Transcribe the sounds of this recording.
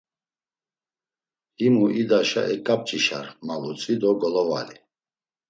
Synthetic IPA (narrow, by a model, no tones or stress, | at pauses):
himuʔid̪aʃa̰ʔɛkʼap̚t͡ʃʼiʃa̰ɾmalut͡sʼid̪ɔɡɔlɔva̰li